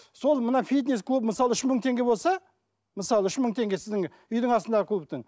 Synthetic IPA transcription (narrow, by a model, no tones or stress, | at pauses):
so̞lˠmənɑfʲijt̪̬nʲesklˠupməsɑlˠəʏʃməɴt̪ʰe̞ŋɡʲe̞bolˠsɑ | məsɑlˠəʏʃməɴt̪ʰe̞ŋɡʲe̞sɪzd̪ɪŋ | ʏjd̪ɪɴɑsənd̪ɑʁəkʰlˠup̚t̪ɪŋ